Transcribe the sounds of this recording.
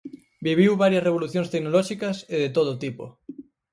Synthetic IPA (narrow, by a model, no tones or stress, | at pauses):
biβ̞iwβaɾjɐsreβ̞oluθjõŋst̪eknolɔʃikɐseðet̪oð̞ot̪ipo̰